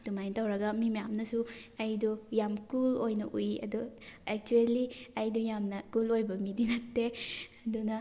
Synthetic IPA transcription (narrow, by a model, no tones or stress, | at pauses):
dumajntawɾɐɡɐmimjamnɐsuɐjdujamkulojnɐʔujiʔɐ̰duek̚tuelːiɐjdujamnɐkulojbɐmidinɐtːeɐdunɐ